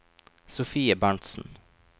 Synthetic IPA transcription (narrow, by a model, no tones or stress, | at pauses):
sʊfiːəbɑɳʈsn̩